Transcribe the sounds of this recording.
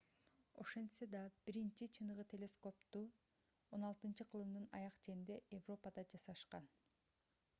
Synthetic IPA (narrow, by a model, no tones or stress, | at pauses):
o̞̰ʃe̞nsed̪ɑb̥iɾint͡ʃit͡ʃʰɯnɯʁɯt̪ʰʲe̞lʲe̞sko̞pt̪u | o̞nɑlˠt̪ɯnt͡ʃɯqʰɯlˠɯmd̪ɯnɑ̰jɑqt͡ʃe̞nind̪e̞ʔevro̞pəd̪ɑd͡ʒɑsɑʃqɑn